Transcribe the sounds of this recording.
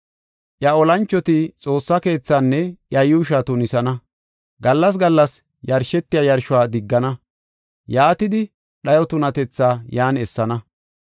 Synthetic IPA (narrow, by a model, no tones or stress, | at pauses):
ʔjɐɔlɐnt͡ʃːɔt̪ɪt͡sʼo̞ːsːɐke̞ːt͡sːaːnːɛʔjɐjuːʃ̬at̪ʊnɪsɐnɐ | ɡɐlːɐs̬ɡɐlːɐs | jɐɾʃɛt̪ːɪjajɐɾʃʊwaːd̪ɪɡːɐnɐ | jaːt̪ɪd̪ɪ | ɗɐjɔt̪ʊnɐt̪ɛt͡sːaːjaːnɛsːɐnɐ